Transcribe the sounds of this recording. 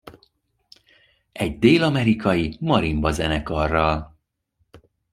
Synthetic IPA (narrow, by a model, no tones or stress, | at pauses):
ɛɟd̪eːlɒmɛɾikʰɒjimɒɾimbɒzɛnɛkɒrːɒl